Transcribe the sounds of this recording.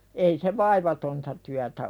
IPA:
ei se ʋɑiʋɑtontɑ tyætæ

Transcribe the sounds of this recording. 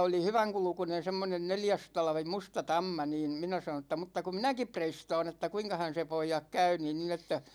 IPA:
oli hyʋæŋkulkunen̞ semːonen neljæstɑlʋi mustɑ tɑmːɑ niːn minæ sɑnõː tːɑ mutːɑ ku minækip preistɒːn etːæ kuiŋkɑhɑn̞ se poijɑk kæy niːn nin etːæ

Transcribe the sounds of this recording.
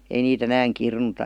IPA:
ei niːt enæːŋ kirnutɑ

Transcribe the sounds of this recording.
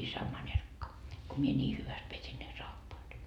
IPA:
lʲisæmɑnʲerkːɑ ko mie nʲiː hyʋæst pesin ne sɑːpːɑːt

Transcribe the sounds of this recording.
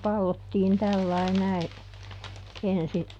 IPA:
pɑlːotːiːn tælːɑi næi ensi ei

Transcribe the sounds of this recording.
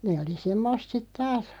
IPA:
neː oli semːost sit tɑːs

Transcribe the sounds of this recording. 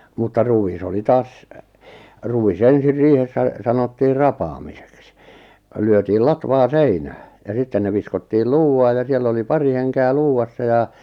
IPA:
mutːɑ ruis oli tɑːs ruis ensir riːhesːæ sɑnotːiːr rɑpɑːmiseks lyøtiːl lɑtʋɑː seinæː jɑ sitːen ne ʋiskotːiːl luːɑːj jɑ sielː oli pɑri henkeæ luːɑsːɑ jɑˑ

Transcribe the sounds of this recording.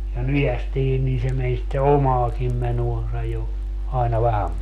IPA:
jɑ nyjæstiː niː se menʲ sitːe omɑːkiːm menoɑnsɑ jo ɑi̯nɑ ʋæhæm

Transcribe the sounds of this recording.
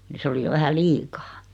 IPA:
ni se oli jo ʋæhæ liːkɑː

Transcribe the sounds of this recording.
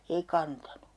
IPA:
eik ɑntɑnu

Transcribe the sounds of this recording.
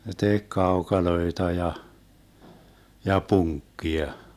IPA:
ne tek kɑokɑloetɑ jɑ jɑ puŋkːiɑ

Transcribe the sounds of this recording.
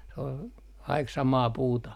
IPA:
se ol kɑik sɑmɑː puːtɑ

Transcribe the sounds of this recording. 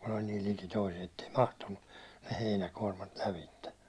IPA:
olʲ niːl liki toiset etːei mɑhtunːu ne heinækuɒrmːɑt læʋitːe

